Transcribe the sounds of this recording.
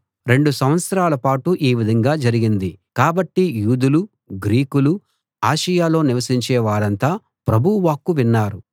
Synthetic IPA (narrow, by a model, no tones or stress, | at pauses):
ɾe̞ɳɖusɐmʋɐt̪sɐɾaːlɐpaːʈuʔiːʋid̪ʱɐŋɡaːd͡ʒɐɾiɡind̪ikaːbɐʈːijuːd̪ulu | ɡɾiːkulu | aːʃɐjaːlo̞ːniʋɐsiɲt͡ʃɛːʋaːɾɐnt̪aː | pɾɐbʱuʋaːkːuʋinːaːɾu